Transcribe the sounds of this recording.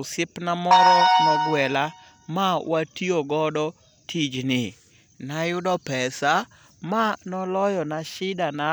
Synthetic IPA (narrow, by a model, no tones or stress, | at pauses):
ʊsɪpnamɔɾɔmɔɡwɛla | mawatioɡɔdɔ | tʰid͡ʒnɪ | najʊdɔpɛsa | manɔlɔjɔnaʃɪdana